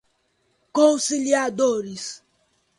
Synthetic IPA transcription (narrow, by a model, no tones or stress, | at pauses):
kõwsiliad̪oɾis